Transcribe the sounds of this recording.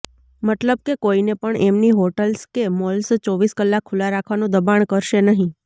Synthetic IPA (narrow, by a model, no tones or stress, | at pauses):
mət̪ləb̚kekoinepəɳemniɦoʈəlskemɔlst͡ʃɔʋiskəlːakʰːulaɾakʰʋanũd̪əbaɳkəɾʃenəɦĩ